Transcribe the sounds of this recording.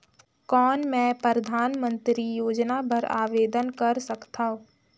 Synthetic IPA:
kɔːnmɛ̃ːpəɾəd̪ʱaːnmə̃nt̪ɾijoːd͡ʒnabʱəɾa̰ːʋeːd̪ənkɐɾsɐkt̪aɦõː

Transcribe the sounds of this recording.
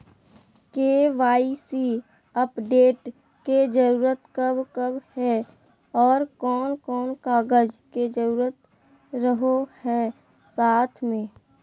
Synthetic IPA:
keːʋaːisi | əpɖeːʈ | ked͡ʒəɾuːɾət̪kəbkəbhɛ | ɔːɾkɔːnkɔːnkaːɡəd͡ʒked͡ʒəɾuːɾət̪ | ɾəɦohɛ | saːt̪ʰmẽː

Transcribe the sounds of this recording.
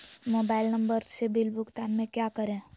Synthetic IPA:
moːbaːɪlnɐ̃mbəɾsebɪlbʊɡt̪aːnmẽkjakəɾẽː

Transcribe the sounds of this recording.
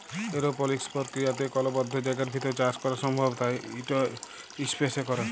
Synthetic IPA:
eɾopɔlekspɔɾkɾijat̪ekɔlɔbɔd̪ʱːɔd͡ʒajɡaɾbʱit̪ɔɾet͡ʃaɾskɔɾasɔmbʱɔbt̪aeiʈɔ | ispesekɔɾa

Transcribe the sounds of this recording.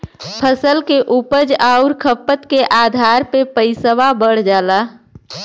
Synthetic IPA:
pʰəsəlkeʔupəd͡ʒaʊɾkʰəpːət̪keʔad̪ʱaɾpepəɪsəʋabəɽ̤d͡ʒaːla

